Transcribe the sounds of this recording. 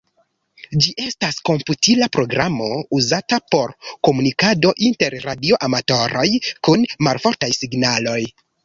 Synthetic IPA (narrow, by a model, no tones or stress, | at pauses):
d͡ʒiʔe̞stasko̞mputilapɾo̞ɡɾamo̞uzatapo̞ɾko̞munikado̞ʔinte̞ɾɾadio̞ʔamato̞ɾo̞jkunmalfo̞ɾtajsiɡnalo̞j